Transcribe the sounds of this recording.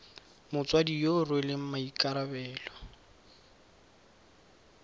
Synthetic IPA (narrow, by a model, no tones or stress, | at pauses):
mʊt͡swadijorwelɪm̩maikʼaɾabɛːlɔ